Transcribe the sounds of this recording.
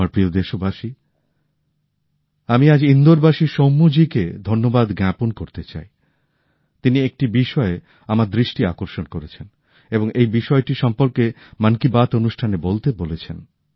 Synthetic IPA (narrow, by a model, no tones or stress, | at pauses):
aɾpɾiod̪eʃobaʃi | amiad͡ʑind̪oɾbaʃiʃomːud͡ʑiked̪ʱonːobad̪ɡɾɛpunkoɾt̪et͡ɕa̰e | t̪iniek̚ʈibiʃɔe | amaɾd̪ɾiʃʈia̰koɾʃonkoɾet͡ɕʰen | eboŋejbiʃɔeʈiʃɔmpoɾke | mankibat̪onuʃʈʰanebolt̪ebolet͡ɕʰen